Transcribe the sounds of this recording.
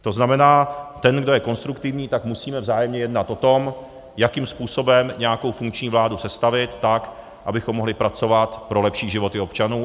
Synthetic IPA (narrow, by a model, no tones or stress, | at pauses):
t̪o̞znamɛnaːt̪ɛnɡdo̞jɛko̞nst̪ɾukt̪ɪvɲiːt̪akmusiːmɛvzaːjɛmɲɛjɛdnat̪ʔo̞t̪o̞m | jakiːmspuːso̞bɛmɲɛjako̞wfuŋkt͡ʃɲiːvlaːdusɛst̪avɪt̪ːak | ʔabɪxomːo̞ɦlɪpɾat͡so̞vat̪pɾo̞lɛpʃiːʒɪvo̞t̪ɪo̞pt͡ʃanuː